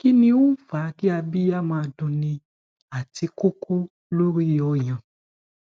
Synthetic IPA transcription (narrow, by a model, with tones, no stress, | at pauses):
ki˦nĩ˧wo˦fa˨˦ki˦a˧bi˦ja˦mãː˧dũ˧nĩ˧ | a˨ti˧ko˦kʰo˦ | lo˦ɾi˦˨ɔ˧j̃ã˨